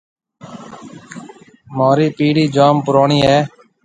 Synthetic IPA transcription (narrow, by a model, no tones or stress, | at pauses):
maːɾiːpiːɽiːd͡ʒaːmpʊɾaːɳiːɦɛː